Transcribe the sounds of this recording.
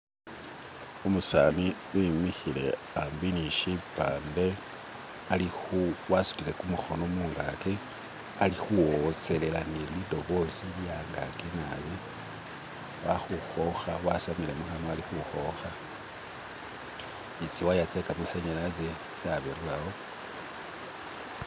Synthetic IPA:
umusami | imixilḛ | ambiniʃipaːnde̞ | alixuwasu̥tile̞kumuxo̞nomuːŋɡake | alixuwot͡se̞le̞lanilido̞βo̞siljaŋɡakenaβi | waxuxo̞xawasamile̞muxanoalixuxo̞xa | it͡siwajat͡sekamuseɲelat͡se | t͡saβeɾulawo

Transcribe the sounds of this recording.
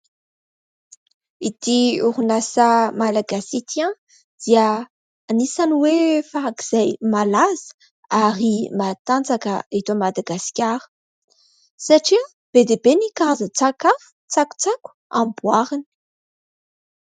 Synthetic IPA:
it̪iuɾunasamalaɡasit̪ʰiã | d̪̥iəː | nisaniwefaɾakiz̥ajmalazə̥ | aɾimat̪ant͡sakəet̪omad̪aɡasi̥kʲaɾə̥ | saʈ͡ʂi | b̥ed̪ebenikaazət͡sakafu̥t͡saku̥t͡saku̥ãmbwaɾini̥

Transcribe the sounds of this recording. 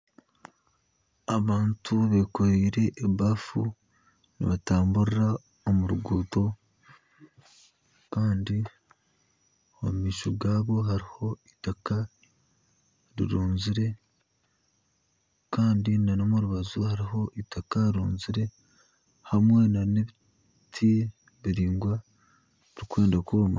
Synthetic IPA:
aβaːntʰuβekoɾiːɾe̞ʔːβafu | nḭβataːmbuɾiɾa | omuɾuɡuːto̞ | kaːndi | ommiːʃoɡaːβo̞ɦaɾiho̞itaka | ɾḭɾuːnziɾe̞ | kaːndinanomuɾuβazuhaɾiɦo̞ʔitakaiɾuːnziɾe̞ | hamwe̞naneβi | tʰi | βiɾiːŋɡwa | ɾikwe̞ːndakoːma̰

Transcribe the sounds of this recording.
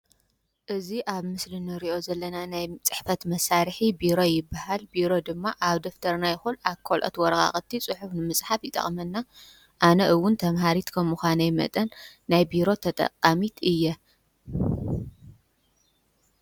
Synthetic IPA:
ʔɨziʔaβmɨslɨnɨɾiʔo̞zɐlːɐnanajt͡sʼɨ̥ħfɐt̪mɐsaɾħibiɾo̞jɪbːahalbiɾo̞d̪ɨmːaʔaβd̪oft̪ʰɐɾnajɪxulʔakʰːolʔo̰t̪wɔɾɐɣa̰χʼɐt̪ʰːit͡sʼɨħufnɨmɨsʼħafjɪt̪ʼɐ̰χʼmɐnːa | ʔanɐʔɨwːʊnt̪ʰɐmɦaɾit̪kʰɐmːuxanɐjɪmɐ̰t̪ʼɐnːajbiɾo̞t̪ʰɐt̪ʼɐ̰qʼːamit̪ʰɨjːɛ

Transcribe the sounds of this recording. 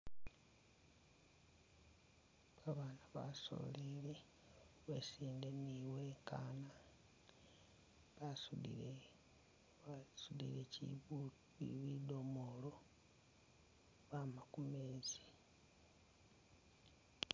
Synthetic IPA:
aβaːnaβa̰so̰lele | we̞̰siːndeniweːka̰ːna | βasuḭ | sudḭle | ḭβido̞molo̞ | βamakumeːzi̥

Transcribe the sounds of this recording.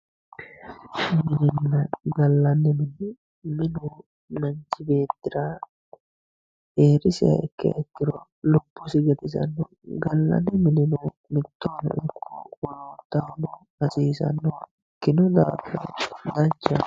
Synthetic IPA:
mɪnɪnːɐɡɐlːɐnːɪmɪnɪ | mɪnuː | nɐnt͡ʃɪbe̞ːt̪ːɪɾaː | eːɾɪsɪɐ̰ɛkːɪɛkːɪɾɔ | lɔbːʊsɪɡɐt̪ɪsɐ̰nːoːɡɐlːɐ̰nːɪmɪnɪnuː | mɪt̪ːoːnɐ̰ʔɪkːuːwɔloːt̪ːɐhnɔ | ɐsiːsɐ̰nːoː | kːɪnɔd̪aːfɐd̪ɐnt͡ʃɐ

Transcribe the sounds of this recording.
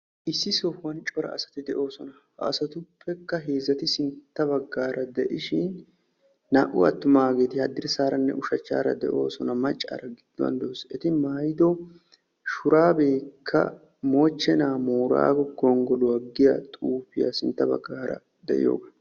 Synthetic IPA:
ʔɪsːɪsowɐnt͡ʃʼɔɾɐ̰ːsɐ̥t̪ɪd̪ɛʔo̞ːsɔnɐ | hɐːsɐt̪ʊpːɛkːɐɦe̞ːzːɐt̪ɪsɪnt̪ːɐbɐɡːaːɾɐd̪ɛʔɪʃɪnː | aʔʊɐ̰t̪ːʊmaːɡe̞ːt̪ɪhɐd̪ːɪɾsaːɾɐnːɛ̰ʔʊʃɐt͡ʃːa̰ːɾɐ̰d̪ɛ̰ʔo̞ːsɔnɐmɐt͡ʃʼːa̰ːɾɐɡɪd̪̥ːɔɐ̰nd̪oːsɛt̪ɪmaːjd̪ɔ | ʃʊɾaːbe̞ːkʰːɐ̰ | mo̞ːt͡ʃːɛnaːmoːɾa̰ːɡɔɡɔŋɡɔlʊwɐɡːɪja̰ːt̪ʼuːfɪja̰sɪnt̪ːɐbɐ̰ɡːaːɾɐ̰ | d̪ɛ̰ʔɪ̰jo̞̰ːɡɐ

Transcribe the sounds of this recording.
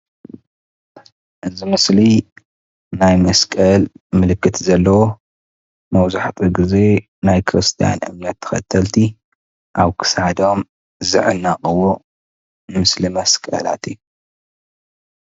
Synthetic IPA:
ʔɨzimɨsli | najmɐskʼɐlmɨlɨkːɨt̪ʰzɐlːɐwo | mɐwzaħt̪ʰʼiɡɨze̞ | najkʰɨɾɨst̪ʰija̰nʔɨ̰mnijat̪ʰːɐ̥xɐ̰t̪ʰːɐlt̪ʰi | ʔaβkʰɨ̥shad̪o̞m | zɨ̰ʕɨnːaqʼɨwo | mɨslimɐskʼɐ̰la̰t̪ʰiu

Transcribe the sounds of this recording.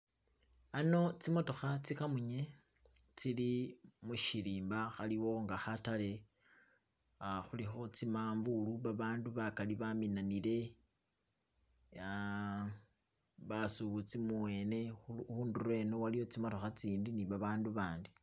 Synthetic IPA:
ano̞t͡simo̞to̞xat͡sikamuɲe̞ | t͡silimuʃiliːmbaxaliwo̞ŋɡaxatale̞ | xulixo̞t͡simaːɱvuluβaβaːnduβakaliβaminanile̞ | βasuβut͡simuwe̞ːne̞uːnduɾwe̞nowalijo̞t͡simo̞to̞xat͡siːndiniβaβaːnduβaːndi

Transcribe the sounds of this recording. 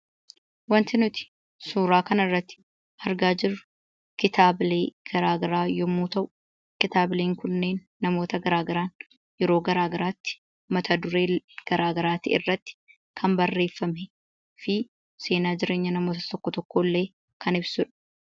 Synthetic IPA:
wɐnt̪ɪnʊt̪ɪ̥ | suːɾaːkɐnɐrːɐt̪ːɪ̥ | hɐɾɡaːd͡ʒɪrːʊ̥ | kɪt̪aːble̞ːɡ̥ɐɾaːɡɐɾaːjɔmːuːt̪ɐʔʊ̥ | kɪt̪aːbleːŋkʊnːe̞ːnːɐmo̞ːt̪ɐɡɐɾaːɡɐɾaːn | jɛɾo̞ːɡɐɾaːɡɐɾaːt̪ːɪ̥ | mɐt̪ʰɐd̪ʊɾeːɡ̥ɐɾaːɡɐɾaːt̪ɪʔɪ̰rːɐt̪ːɪ̥ | kʰɐmbɐrːe̞ːfːɐmɛ | fɪ | se̞ːnaːd͡ʒɪɾe̞ːɲːɐnɐmoːt̪ɐ̥t̪ɔkːɔt̪ɔkːoːlːe̞ː | kʰɐnɪbsʊᶑɐ̥

